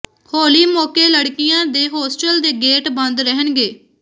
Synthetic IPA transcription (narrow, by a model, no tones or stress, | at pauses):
hoːliːmoːkeːləɽkɪjãːd̪eːɦoːsʈəld̪eːɡeːʈbə̃nd̪ɾəɦənɡeː